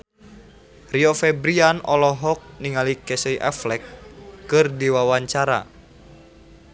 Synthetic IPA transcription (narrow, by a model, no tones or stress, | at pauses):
riɔfɛbɾianɔlɔɦɔk̚niŋalikɛseiʔa̰flɛkːɨrdiwawaɲt͡ʃaɾa̰